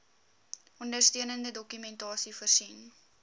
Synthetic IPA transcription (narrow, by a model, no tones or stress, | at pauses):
ɔndərstiənəndədɔkymɛntɑːsifərsin